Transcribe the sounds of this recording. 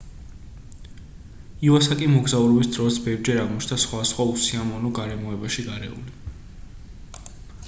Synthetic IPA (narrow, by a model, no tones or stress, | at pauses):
iuasakʼimɔɡzauɾɔbisd̪ɾɔt̪sbɛvd͡ʒɛɾaʁmɔt͡ʃʰnasχwasχwausiamɔnɔɡaɾɛmɔɛbaʃiɡaɾɛ̰ṵli